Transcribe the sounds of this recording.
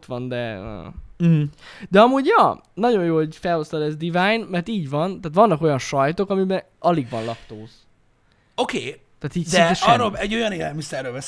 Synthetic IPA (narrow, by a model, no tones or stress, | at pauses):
t̪ʋɒnd̪ɛ̰ | d̪ɛɒmuːɟjɒ̰ː | nɒɟo̞joːlhoɟfɛlo̞st̪ɒlɛzd̪ivaːjnmɛrt̪iːɟvɒnt̪aːt̪ʋɒnːɒko̞jɒnʃɒjt̪o̞kɒmibɛ | ɒliɡvɒnlɒpt̪oːz | okeːt̪aːt̪iːcdsɛɛʃɒrːolɛɟːo̞jɒneːlɛlmisɛɾːøːlvɛ